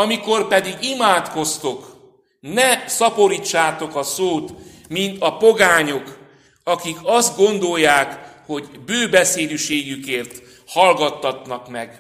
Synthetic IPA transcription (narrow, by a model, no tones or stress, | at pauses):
ɒmiko̞rpɛd̪iɡimaːt̪ko̞st̪o̞k | nɛsɒpo̞ɾiːt͡ʃːaːt̪o̞kɒsoːt̪ | mint̪ɒpoɡaːɲo̞k | ɒkikɒzd̪ɡo̞nd̪o̞jːaːkho̞ɟbøːbɛseːd̪yʃeːɡykeːrt̪ | hɒlɡɒt̪ːɒt̪nɒkmɛɡ